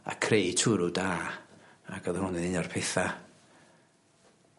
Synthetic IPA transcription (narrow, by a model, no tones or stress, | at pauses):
a̰kʰrejtʰʊɾʊdaː | aɡ̥əðhʊnɪnɪnɔrpʰeθa